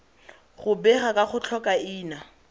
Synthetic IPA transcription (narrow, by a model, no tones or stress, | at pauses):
χʊbɛχakʼaχʊt͡ɬʰɔkʼaɪːna